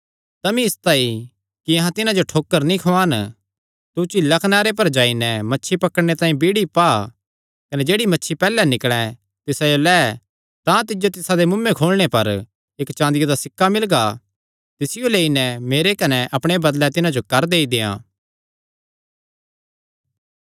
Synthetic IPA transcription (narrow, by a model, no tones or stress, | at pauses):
t̪ɐmĩɪst̪ai | kiɐɦãt̪ɪnãd͡ʒoʈʰoːkːəɾnĩkʰoaːn | t̪ut͡ʃɪlːakʰɐnaːɾep̬ɐɾd͡ʒaːinɛmɐtːʃʰipɐkəɽɽ̃et̪ãːĩbiɽipaː | kɐnɛd͡ʒeːɽimɐtːʃʰipɛːlɛnɪkɽ̃ɛ̃ | t̪ɪsajolɛː | t̪ãt̪ɪd͡ʒot̪ɪsad̪emʊmːẽkʰoːlɽ̃epɐɾ | eːkt͡ʃãːnd̪ɪjod̪asɪkʰːamɪlɡa | t̪ɪsɪjoleːinɛmeːɾekɐnɛʔɐpɽ̃ebɐd̪lɛt̪ɪnãd͡ʒokɐɾd̪eːid̪ɪːã̰ː